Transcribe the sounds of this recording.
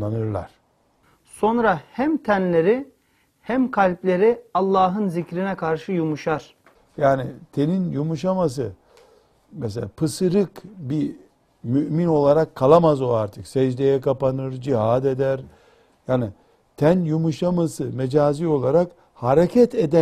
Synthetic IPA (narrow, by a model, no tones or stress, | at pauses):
anɯɾlˠa̰ɾ̥ | so̞nɾahæmt̪ʰænlʲe̞ɾi | hæmkʰalʲplʲe̞ɾiɑlˠːaːɦɯnzicɾinɛkʰaɾʃɯjumuʃaɾ̥ | jaːnit̪ʰeninjumuʃamas̬ɯ | mɛs̬elʲapʰɯsɯɾɯkbi | myʔmino̞lˠaɾakʰːalˠamazoaɾt̪ʰɯksɛd͡ʒd̪ejɛkapanɯɾd͡ʒiɦaːd̪ed̪æɾ | jaːni | t̪ʰænjumuʃamasɯmed͡ʒaːzio̞lˠaɾak | haɾecʰɛt̪ʰed̪æ